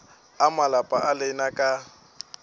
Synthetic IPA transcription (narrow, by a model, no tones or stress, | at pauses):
amalapʼaʔalɪnakʼa